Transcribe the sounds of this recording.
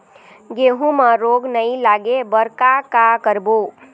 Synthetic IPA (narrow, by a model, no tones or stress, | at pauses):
ɡeːɦũmãɾoːɡnəĩlaːɡebəɾkakakəɾboː